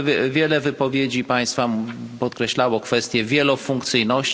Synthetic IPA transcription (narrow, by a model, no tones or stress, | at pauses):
vʲjɛlɛvɘpɔvʲjed͡ʑipaj̃st̪fampɔt̪kɾɛɕlawɔkfɛst̪ʲjɛvʲjɛlɔfuŋkt̪sɘjnɔɕ